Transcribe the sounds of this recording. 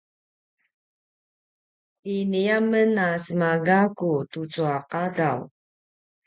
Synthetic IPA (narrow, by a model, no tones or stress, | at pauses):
iniamənasəmaɡakutut͡suaqadaw